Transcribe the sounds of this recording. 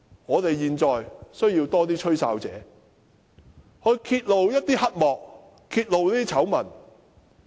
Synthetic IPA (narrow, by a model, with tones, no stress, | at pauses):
ŋɔː˨˧t̪e˨jjiː˨nt͡sɔː˨jsɵ˥ɥjiː˧wt̪ɔː˥t̪̬iː˥t͡ʃʰɵ˥ɥsaː˧wt͡sɛ̰ː˨˧ | hɵ˧ɥkʰiː˧t̚lo˨wjɐ˥t̚t̪iː˥hɐ˥t̚mɔː˨k̚ | kʰiː˧t̚lo˨wliː˥t̪i˥t͡sʰɐ˨˥wmɐ˨˩n